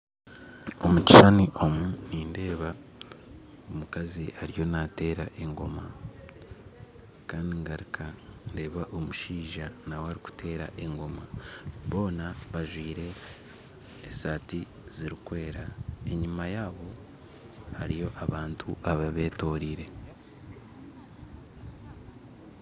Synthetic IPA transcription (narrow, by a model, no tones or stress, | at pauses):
o̞muci̥ʃaniʔo̞muniːnde̞ːβa | omukaziaɾijo̞nate̞ːɾaʔe̞ŋɡo̞ma | kaːndiŋɡaɾikʰande̞ːβaʔo̞muʃiːʒanawaɾiku̥te̞ːɾa̰ʔe̞ŋɡo̞maβo̞ːnaβaʒwiːɾe̞ | saːti | ziɾikwe̞ːɾae̞ɲimajaːβo̞ | haɾijo̞ʔaβaːntʰuʔaβaβe̞ːto̞ːɾiːɾe̞